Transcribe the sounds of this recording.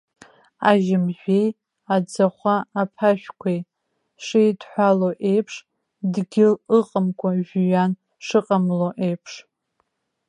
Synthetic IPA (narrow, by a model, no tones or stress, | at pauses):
aʒɪmʒᶣʷe̞j | ad͡zaχʷaːpʰaʃᶣkʷʰej | ʂijdħʷaloʔe̞jpʰʂ | dɡʲɪlɨqʼəmkʷʰʼaʒᶣɥan | ʂɨqʼamloʔe̞jpʰʂ